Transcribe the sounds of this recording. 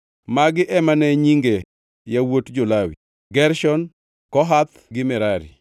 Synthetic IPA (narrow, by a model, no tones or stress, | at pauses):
maɡɪʔɛmanɛɲiŋɡe | jawotd͡ʒolawḭ | ɡɛɾʃɔn | kɔɦat̪ | ɡɪmɪɾaɾḭ